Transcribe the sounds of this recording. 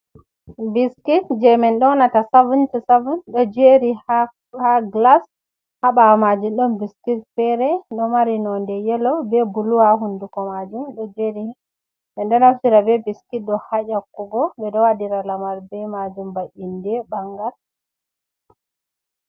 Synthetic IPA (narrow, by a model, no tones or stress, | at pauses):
biskitd͡ʒɛmɛnɗɔnatasavuntɛsavunɗɔd͡ʒeɾi | haɡlas | haɓamad͡ʒuɗɔnbiskitfɛɾɛɗɔmaɾinɔndɛjɛlɔbɛbuluwaɦundukɔmad͡ʒumɗɔd͡ʒeɾi | ɓɛnɗɔnafsiɾabɛbiskit̚ɗɔhajakːuɡɔbɛɗɔwadiɾalamaɾbɛmad͡ʒumbaʔindɛbaŋɡal